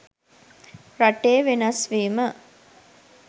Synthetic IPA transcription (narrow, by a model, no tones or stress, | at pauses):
ɾaʈeːʋenɐsʋiːmə